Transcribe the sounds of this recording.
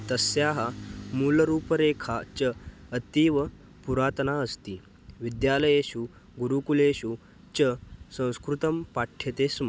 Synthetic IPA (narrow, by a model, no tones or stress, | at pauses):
t̪əsjaɦamuːləɾuːpəɾekʰat͡ɕəət̪iːʋə | puɾat̪naəst̪iː | ʋid̪jaləjeɕu | ɡuɾukuleɕu | t͡ɕəsə̃w̃skɾut̪əmpaʈʰjet̪esm